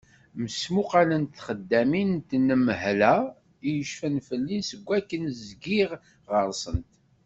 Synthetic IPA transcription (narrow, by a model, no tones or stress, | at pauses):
məsmuqɑlənt̪ːχəd̪ːæmint̪nəməɦlæ | ijəʃfənfəlːinsəɡʷːækːənzɡiʁ | ʁəɾˤsənt̪